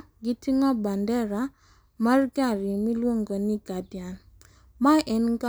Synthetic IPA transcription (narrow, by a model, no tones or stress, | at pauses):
ɡitiŋɔbandɛɾa | marɡaɾimilwoŋɡɔniɡadjan | maʔɛnɡa